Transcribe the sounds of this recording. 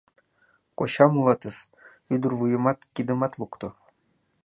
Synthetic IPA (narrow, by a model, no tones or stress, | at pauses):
koɕɑmulˠɑt̪əs | yd̪ərvujɤ̆mɑt̪kʲid̪ɘ̆mɑt̪lˠukt̪o